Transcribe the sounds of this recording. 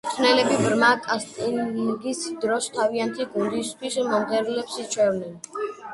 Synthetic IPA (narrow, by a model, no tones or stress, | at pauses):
t̪ʰnɛlɛbibɾmakʼast̪ʼilɡisd̪ɾɔst̪ʰaviant̪ʰiɡund̪ist̪ʰwismɔnd̪ɛɾulɛpsit͡ʃʰwɛɾnɛn